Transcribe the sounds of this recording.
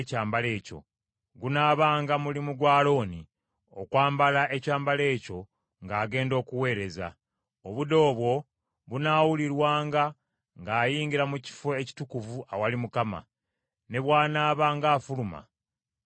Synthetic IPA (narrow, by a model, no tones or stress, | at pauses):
caːmbale̞ːco̞̰ | ɡunaːβaːŋɡamulimuɡwaːlo̞ːni | okwaːmbalaʔe̞caːmbale̞ːco̞ | ŋɡaːɡe̞ːndo̞ːkuwe̞ːɾe̞za̰ | o̞βudo̞ːβwo̞ | βunaːwuliɾwaːŋɡa | ŋɡaːjiːŋɡiɾamuci̥foeci̥tukuvuawalimukama̰ | ne̞βwaːnaːβaːŋɡaːfuluma̰